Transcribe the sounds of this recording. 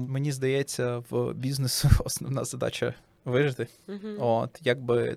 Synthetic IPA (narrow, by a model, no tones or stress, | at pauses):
menʲizd̪ɐjɛt͡sʲːɐʋbʲiznesʊɔsnɔʋnɑ̰zɐd̪ɑ̰t͡ʃɐ | ʋɪʒɪt̪ɪ | ot̪jaɡ̚bɪ